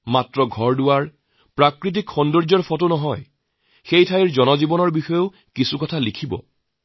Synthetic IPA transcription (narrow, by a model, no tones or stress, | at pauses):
matɹɔɡʱɔɹdʊwaɹ | pɹakɹit̬ikxɔndɔɹd͡ʒɔɹpʰɔtonɔɦɔj | xejtʰajɹzɔnɔzibɔnɔɹbixɔjo | kisukɔtʰalikʰibɔ̰